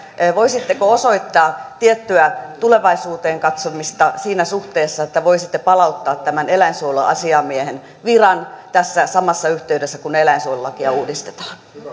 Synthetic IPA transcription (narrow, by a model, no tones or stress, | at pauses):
ʋoisit̪ːekoosoit̪ːɑːt̪iet̪ːyæt̪uleʋɑisuːt̪eːŋkɑt̪somist̪ɑsiːnæsuht̪eːsːɑet̪ːæʋoisit̪ːepɑlɑut̪ːɑːt̪tæmænelæinsuolɑ̰ʔɑ̰siɑmiehen | ʋirɑnt̪æsːæsɑmɑsːɑyht̪eydesːækunːeelæinsuolulːɑkiɑuːdist̪et̪ɑ̥ːn